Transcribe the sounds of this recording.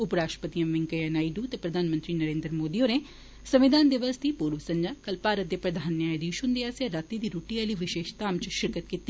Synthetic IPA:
ʊpɾaːʃʈɾəpət̪iə̃mʋɪŋkəɛnaːiɖuːt̪epɾəd̪ʱaːnmə̃nt̪ɾinəɾẽːnd̪ɾəmoːd̪iːõneː | səmʋɪd̪aːnd̪ɪʋəsd̪iːpuːɾʋəsəɲd͡ʒaːkəlpaːɾət̪̚d̪eːpɾəd̪ʱaːnːeaːjd̪iʊʃund̪easaɾat̪id̪iːɾoːʈialiːʋɪʃeːʃt̪aːmt͡ʃʃɪɾkət̪̚kiːt̪ːiː

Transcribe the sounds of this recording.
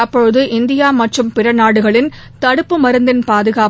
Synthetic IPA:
ɐpːɔɻɯðɯʔɪnd̪ɪjaːmɐʈrɯmpɪɾɐnaːɽɯɣɐɭɪn | t̪ɐɽɯpːɯmɐɾɯnd̪ɪnpaːðɯɣaː

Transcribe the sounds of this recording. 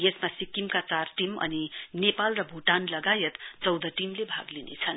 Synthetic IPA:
jesmasikːimkat͡sarʈimʌ̰ninepalrʌbʱuʈanlʌɡajʌt̪t͡sʌwd̪ʌʈimlebʱa̰ɡlinḛt͡sʰʌn

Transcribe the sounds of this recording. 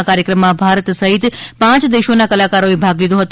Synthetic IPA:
kaɾjəkɾəmːãbʱaɾət̪səɦit̪pãt͡ʃd̪eʃonakəlakaɾoʋibʱaɡlid̪oɦət̪

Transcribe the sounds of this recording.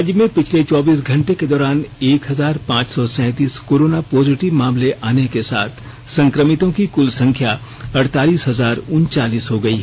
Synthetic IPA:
d͡ʒjmẽpɪt͡ʃʰlet͡ʃɔːbiːs̬ɡʱɐ̃ɳʈeked̪ɔːɾaːneːkɦɐzaːɾpãːt͡ʃsɔsɛ̃ːt̪iːskoːɾoːnapɔːzɪʈɪʋmaːmleʔaːnekesa̰ːt̪ʰ | sɐ̃ŋkɾəmɪt̪õkikʊlsɐ̃ŋkʰja | ɐɽt̪aːliːsɦɐzaːɾʊnt͡ʃaːliːsɦoɡɐiɦɛ

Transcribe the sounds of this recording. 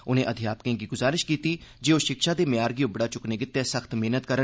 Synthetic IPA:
ʊnẽːʔəd̪ʱɪjaːpkẽːɡiːɡʊzaːɾɪʃkiːt̪iːd͡ʒeːoːʃɪkʃaːd̪eːmɪjaːɾɡiːʊbɽaːt͡ʃʊkneːɡɪt̪ːɛːsəkt̪meːnət̪kəɾə

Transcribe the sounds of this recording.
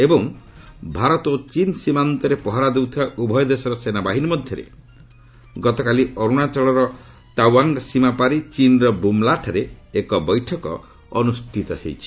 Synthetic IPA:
ebɔŋbʱaɾɔt̪ot͡ʃinsimant̪ɔɾepɔɦaɾad̪ewt̪ʰibaʔubʱɔjɔd̪esɔɾɔsenabaɦinimɔd̪ʱjɔɾḛ | ɡɔt̪ɔkaliɔɾuɽ̃at͡ʃɔɭɔɾɔ | t̪awaŋɡsimapaɾit͡ʃinɾɔbumlaʈʰaɾeekɔbɔjʈʰɔkɔ̰ | ɔnusʈʰit̪ɔhḛjt͡ʃʰi̥

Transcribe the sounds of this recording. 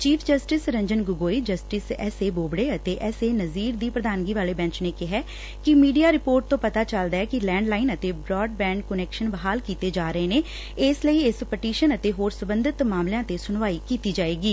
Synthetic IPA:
t͡ʃiːpʰd͡ʒəsʈɪsɾə̃ɲd͡ʒənɡʊɡoːiːd͡ʒəsʈɪsɛ̰ːseːboːbɽeːət̪eːʔɛːseːnəziːɾd̪iːpɾəd̪aːnɡiːʋaːleːbɛ̃ːɲt͡ʃneːkɪɦɛː | kɪmiːɖijaːɾɪpoːɾʈ̚t̪õːpət̪aːt͡ʃəld̪aːɛːkɪlɛ̃ːɳɖlaːɪnət̪eːbɾɔːɖ̚bɛ̃ːɳɖkʊnɛːkʃənbəɦaːlkiːt̪eːd͡ʒaːɾəeːneː | ɪsləiːɪspəʈiːʃənət̪eːɦoːɾsəbə̃nd̪ɪt̪maːmljãːt̪eːsʊnʋaːiːkiːt̪iːd͡ʒaːeːɡiː

